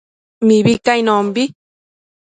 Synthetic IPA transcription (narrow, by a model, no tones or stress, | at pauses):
miβikaijnombi